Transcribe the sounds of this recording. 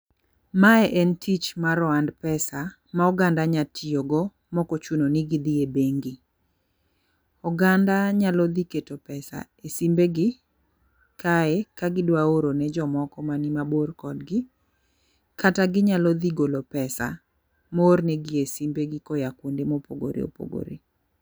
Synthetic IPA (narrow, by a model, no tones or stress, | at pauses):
maɛʔɛntʰit͡ʃmaɾɔandpɛsa | maɔɡandaɲatʰioɡɔ | mɔkɔt͡ʃunonɪɡɪd̪iebeŋɡɪ | ɔɡandaɲalɔd̪iketopɛsa̰ | esimbeɡɪ | kʰaekaɡɪdwaoɾonɛd͡ʒɔmɔkɔmanɪmaborkɔdɡɪ | kataɡɪɲalɔd̪iɡolopɛsa̰ | mornɛɡɪesimbeɡɪkɔjakundemopoɡo̰ɾḛo̰po̰ɡo̰ɾḛ